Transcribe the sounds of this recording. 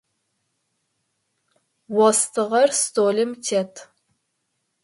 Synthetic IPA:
wɔstʰɨʁɐrstoːlɨmtʰetʰ

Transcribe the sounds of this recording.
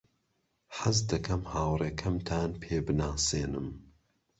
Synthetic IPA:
ħɐzd̪ɐkʰɐmhaːwrekʰɐmt̪ʰaːnpʰeːbɨnaːseːnɨ̰m

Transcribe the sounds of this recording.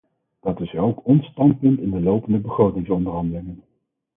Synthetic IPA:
d̥ɑtɪsolkɔnstɑnt̚pɵntɪndəlowpəndəbəχrowtɪŋsɔndərɦɑndəlɪŋən

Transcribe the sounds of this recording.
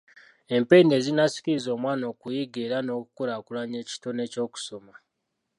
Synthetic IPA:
e̞mpe̞ne̞ːzinasi̥kiɾizo̞ːmwaːno̞ːkujiɡeɾano̞ːku̥kolakulaɲe̞ːci̥to̞ne̞co̞ːku̥so̞ma

